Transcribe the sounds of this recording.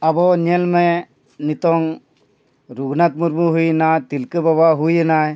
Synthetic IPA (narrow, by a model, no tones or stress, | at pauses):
abɔnelme | nit̪ɔŋ | ɾuɡnat̪muɾmuɦujnat̪ilkəbabaɦujənaj